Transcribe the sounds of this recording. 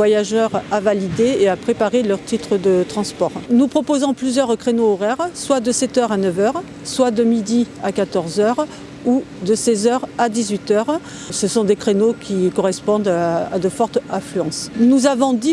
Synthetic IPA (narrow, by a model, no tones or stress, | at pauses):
vwajaʒœʁavalid̪eːapχepaʁelœʁt̪it̪χəd̪ət̪χɑ̃spɔʁnupχɔpozɑ̃plyzjœʁkχenoːʁɛʁswad̪əsɛt̪œʁanœvœʁ | swad̪əmid̪iakat̪ɔʁzœʁ | ud̪əsɛzœʁad̪izɥit̪œʁ | səsɔ̃d̪ekχenokʲikɔʁɛspɔ̃d̪ad̪əfɔʁt̪ɛ̃flyɑ̃snuzavɔ̃d̪i